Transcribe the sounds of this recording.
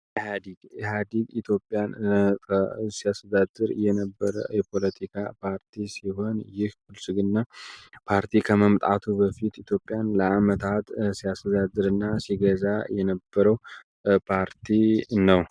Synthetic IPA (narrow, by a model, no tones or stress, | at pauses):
had̪iɡhad̪iɡit̪ʰjo̞pʼːjankʰəsiast̪ʰəd̪ad̪ːɨɾjɛnəbːəɾə̰jɛpʰo̞lət̪ʰikʰa̰pʰaɾt̪ʰisiɦo̞njɪhfɨlsɨɡɨnːapʰaɾt̪ʰikʰəməmt̪ʼat̪ʰubəfit̪it̪ʰjo̞pʼːjanləamət̪ʰat̪siast̪ʰəd̪ad̪ːɨɾɨnːasiɡəzajɛnəbːəɾəw | pʰaɾt̪ʰinəw